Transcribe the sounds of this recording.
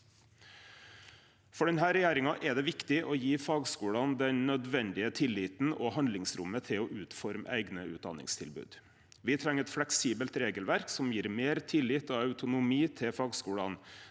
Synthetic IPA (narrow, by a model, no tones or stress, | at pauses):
fɔɖɛnɦæːɾɛjæːɾɪŋɑʔɛd̪ɛʋɪkt̪ɪʔɔjiːfɑːɡskuːɽɑnd̪ɛnnœd̪ʋɛnd̪ɪət̪ʰɪlːɪːt̪n̩ɔhɑnd̪lɪŋsɾʊ̰mːət̪ʰɪɔʔʉːt̪fɔɾmæ̰ɪɡnəʉːd̪ɑ̰nɪ̰ŋst̪ʰɪ̰lbʉ̰ːd̪ | ʋɪt̪ʰɾɛŋəɾɛt̪flɛksiːbəlt̪ɾeːɡəlʋæɾksɔmjiːɾmeːɾt̪ʰɪlːɪt̪ɑɑʉt̪ʊnʊmiːt̪ʰɪfɑːɡskuːɽɑ̰n